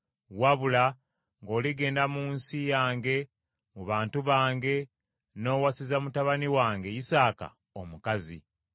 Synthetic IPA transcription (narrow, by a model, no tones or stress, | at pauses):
waβula | ŋɡo̞ːliɡe̞ːndamuːnsijaːŋɡe̞ | muβaːntuβaːŋɡe̞ | no̞ːwasizamutaβaniwaːŋɡe̞jisaːka̰ | omukazḭ